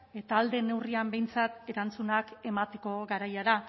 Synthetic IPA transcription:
e̞t̪aːld̪e̞ne̞wriambe̞jnt͡sat̪e̞ɾant͡sunake̞mat̪e̞ko̞ɣaɾajaɾa

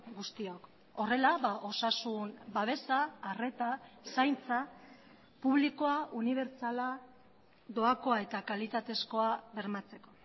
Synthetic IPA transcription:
ɡust̪io̞k | o̞re̞laβaʔo̞sasunbaβ̞e̞saːre̞t̪asajnt͡sa | puβliko̞auniβ̞e̞ɾt͡sala | d̪o̞ako̞ae̞t̪akalit̪at̪e̞sko̞aβe̞ɾmat͡se̞ko̞

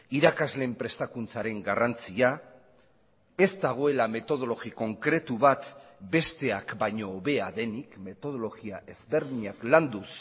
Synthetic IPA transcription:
iɾakazle̞mpɾe̞st̪akunt͡saɾe̞ŋɡarant͡sia | e̞zd̪aɣ̞o̞e̞lame̞t̪o̞ðo̞lo̞ɣiko̞ŋkɾe̞t̪uβat̪be̞st̪e̞akbajɲo̞βe̞aðe̞nikme̞t̪o̞ð̞o̞lo̞ɣiaʔe̞zβe̞ɾðiɲakland̪us

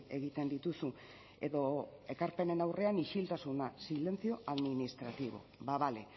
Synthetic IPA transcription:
e̞ɣ̞it̪e̞nd̪it̪usu | e̞ðo̞e̞kaɾpe̞ne̞nawre̞aniʃilt̪asunasile̞nt͡sio̞aðminist̪ɾat̪iβ̞o̞̰βaβale

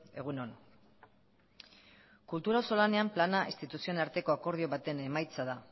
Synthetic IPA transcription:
e̞̰ɣ̞uno̞n | kult̪uɾaoso̞lane̞amplanaʔist̪it̪usio̞naɾt̪e̞ko̞ako̞ɾð̞io̞βat̪e̞ne̞majt͡saða

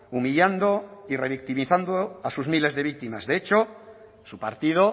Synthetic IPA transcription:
umiʎand̪oireβ̞ik̚t̪imiθand̪oasuzmile̞zðe̞βik̚t̪ima̰zðeet͡ʃo | supa̰ɾt̪ið̞o

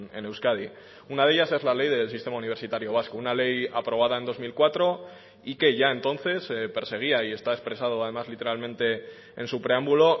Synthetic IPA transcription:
e̞ne̞wskaði | unað̞eʝase̞zlale̞jðe̞lsist̪e̞mauniβ̞e̞ɾsit̪aɾjo̞β̞askounale̞japɾo̞β̞aðae̞nd̪o̞zmilkwat̪ɾo̞ | ike̞ʝae̞nt̪o̞nθe̞spe̞ɾse̞ɣ̞iaie̞st̪aespɾe̞sað̞o̞aðe̞mazlit̪e̞ɾalmẽnt̪e̞ | ḛnsupɾe̞ambulo̞

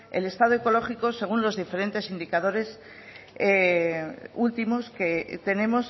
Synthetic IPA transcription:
ḛle̞st̪aðoe̞ko̞lo̞χiko̞se̞ɣ̞unlo̞zðife̞ɾe̞nt̪e̞sind̪ikað̞o̞ɾe̞s | e | ult̪imo̞ske̞t̪e̞ne̞mo̞s

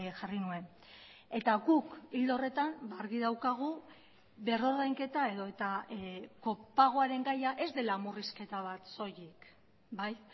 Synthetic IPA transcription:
ʝarinue̞n | e̞t̪aɣukild̪o̞re̞t̪ambaaɾɣiðawkaɣ̞u | βe̞ro̞ɾðajŋke̞t̪ae̞ðo̞e̞t̪ako̞paɣ̞o̞aɾe̞ŋɡajaʔe̞zd̪e̞lamuriske̞t̪aβat̪so̞jik | baj

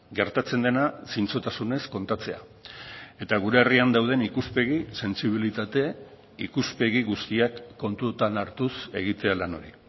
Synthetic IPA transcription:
ɡe̞ɾt̪at͡se̞nd̪e̞nasint͡so̞t̪asune̞sko̞nt̪at͡se̞a̰ | e̞t̪aɣ̞uɾe̞ːriand̪awð̞e̞nikuspe̞ɣise̞nsiβ̞ilit̪at̪e | ikuspe̞ɣiɣust̪iakːo̞nt̪ut̪anaɾt̪use̞̰ɣ̞it̪e̞alano̞ɾi

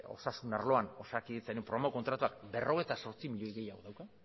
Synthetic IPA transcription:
o̞̰sasunaɾlo̞ano̞sakiit͡sanumpɾoamoko̞nt̪ɾat̪uakbe̞rʔo̞ɣ̞e̞jt̪aso̞ɾt͡simiʎo̞jiɣe̞jaɣo̞ðawka

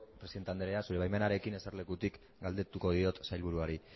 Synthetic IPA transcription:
pɾesiðt̪eand̪eeasuɾe̞βajme̞naɾe̞kine̞seɾle̞kut̪ik | ɡald̪e̞t̪uko̞ð̞io̞t̪sajlβuɾuaɾi

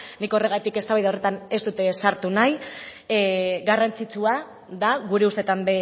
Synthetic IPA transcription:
niko̞re̞ɣat̪ike̞st̪aβajðaore̞t̪ane̞st̪ut̪e̞saɾt̪unaj | ɣarant͡sit͡sua | ðaɣuɾe̞ust̪e̞t̪ambe

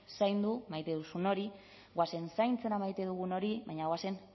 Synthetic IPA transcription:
sajnd̪umajt̪e̞ðusuno̞ɾi | ɣwase̞nsajnt͡se̞ɾamajt̪e̞ðuɣ̞uno̞ɾiβaɲaɣwase̞n

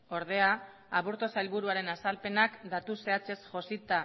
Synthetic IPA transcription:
o̞ɾðe̞aː | βuɾt̪o̞sajlβuɾuaɾe̞nasalpe̞nakd̪at̪use̞at͡se̞sʝo̞sit̪a

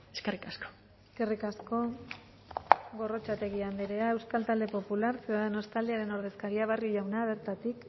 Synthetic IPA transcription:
eskerikasko̥ | eske̞rikasko̞ | ɣo̞ro̞t͡ʃat̪e̞ɣiand̪iɾeae̞wskalt̪ald̪e̞po̞pulaɾseoðenost̪ald̪iaɾe̞no̞ɾðeskaɾiaβ̞arjioʝawnaβ̞e̞ɾt̪at̪ik

